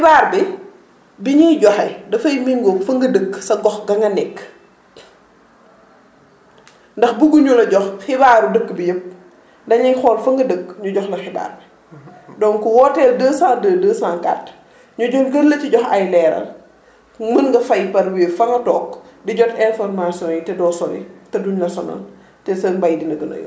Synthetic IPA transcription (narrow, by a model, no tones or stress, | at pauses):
xibaːrbi | biɲijɟɔxɐjdɐfɐjmiŋɡofɐŋɡɐdəɡsɐɡɔxɡɐŋɡɐnɛkː | ndɐxbuɡuɲulɐɟɔxxibaːɾudəɡːbijəp̚ | ndɐɲɐjxɔːlfɐŋɡɐdəɡɲuɟɔxlɐxiba̰ːrbi | dɔnkuwɔtɛldəːsãːndəːdəːsãːŋka̰t | ɲuɟɔlɡəlːɐciɟɔxɐjlɛːɾɐ̰l | mənŋɡɐfɐjpɐɾwiːfɐŋɡɐtɔːk̚diɟɔtɛnfɔrmasiɔ̃ːnjitɛdɔːsɔnjḭtɐduɲlɐsɔnɐ̰l | tɛsənbɐjdinɐɡɐnɐ̰jɔ̰